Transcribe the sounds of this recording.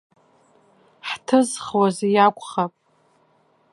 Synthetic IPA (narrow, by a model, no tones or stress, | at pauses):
ħtʰɨzχwazijakʷʼχapʼ